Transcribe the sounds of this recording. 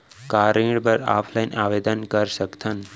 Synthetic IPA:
kaɾĩɽbəɾa̰ːpʰlainaʋed̪ənkəɾʃəkt̪ʰən

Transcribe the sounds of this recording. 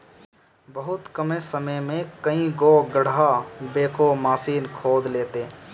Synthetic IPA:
bəɦʊt̪kəmesəməjmẽkɐĩɡoɡəɽabeːkomaːsiːnkʰoːd̪leːt̪eː

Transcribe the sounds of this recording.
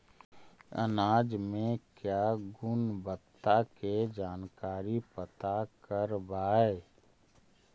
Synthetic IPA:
ə̰naːd͡ʒmẽkjaːɡʊnbət̪ːaked͡ʒaːnkaːɾipət̪akəɾbaːe

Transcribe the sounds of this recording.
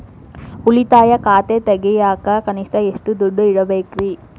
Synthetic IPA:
ulit̪aːjɐkaːt̪et̪ɐɡɛjaːkɐkɐnist̪ɐeʂʈud̪uɖːuiɽɐbeːkɾi

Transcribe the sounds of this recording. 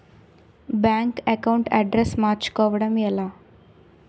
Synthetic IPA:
bjaːŋkɐkɐwuɳʈɐ̰ɖɾesmaːɾt͡ʃu̥kɔːʋɐɽɐmɛlaː

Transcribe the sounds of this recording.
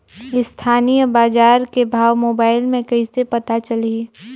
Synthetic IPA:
ɪst̪ʰaːnijəbaːd͡ʒaːɾkebʱaːʋmoːbaːɪlmẽkɐisepɐt̪at͡ʃɐli

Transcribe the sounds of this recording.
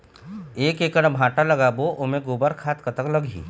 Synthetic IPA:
eːkeːkəɽ̃bʱãːʈalɐɡaboʔʊmẽɡoːbəɾkʰaːt̪kɐt̪əkləɡḭː

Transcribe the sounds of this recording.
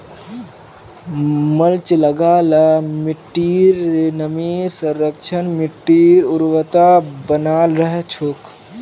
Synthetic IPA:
məlt͡ʃləɡalamiʈːiɾnəmiɾsəɾːəkt͡ʃʰənmiʈːiɾuɾwət̪abənaːlɾəɦet͡ʃʰoːk

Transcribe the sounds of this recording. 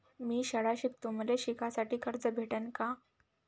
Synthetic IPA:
miːɕəɽaɕiːk̚t̪um̤leɕikʰasaʈiːkʰəɾd͡zəbʱeʈanka

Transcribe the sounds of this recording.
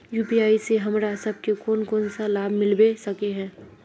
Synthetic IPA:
juːpiaːiseɦɐmɾasɐb̚kekɔːnkɔːnsalaːbʱmɪlbesɐkeɦɛ̃ː

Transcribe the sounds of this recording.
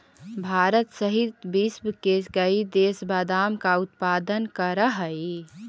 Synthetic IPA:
bʱaːɾət̪səɦit̪bisbkeɡəid̪esbad̪amkaut̪pad̪ənkəɾəɦəi

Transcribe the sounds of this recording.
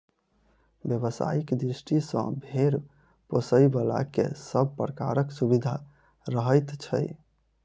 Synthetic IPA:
bjəβəsa̰ikd̪ɾisʈisə̰̃bʱeɾ | posəjbala̰kḛsəb̚ʱpɾəka̰ɾəksubid̪ʱa | ɾəɦəjt̪t͡ʃʰə̰j

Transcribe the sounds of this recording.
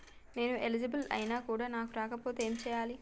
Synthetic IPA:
ne̞ːnuʔelid͡ʒɐbɐlɐ̰jinaːkuːɽaːnaːkuɾaːkɐpo̞ːt̪eeːmit͡ʃɛːjaːli

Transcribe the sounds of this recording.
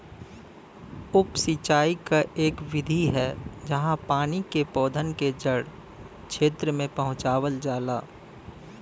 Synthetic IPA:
ʊpsit͡ʃaːikaʔeːkʋɪd̪ʱiɦɛːd͡ʒəɦãpaːnikepɔːd̪ʱənked͡ʒəɽ | kʃʰeːt̪ɾəmẽpɐɦʊ̃t͡ʃaːwəld͡ʒaːlaː

